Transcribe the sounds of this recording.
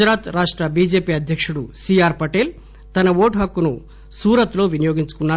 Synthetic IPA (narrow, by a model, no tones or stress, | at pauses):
ɾaːt̪ɾaːʂʈɾɐbiːd͡ʒe̞ːpiːɐd̪ʱjɐkʂuɽusiːaːɾpɐʈeːl | t̪ɐnɐʋoːʈɦɐkːunu | suːɾɐt̪lo̞ːʋinijo̞ːɡiɲt͡ʃu̥kunːa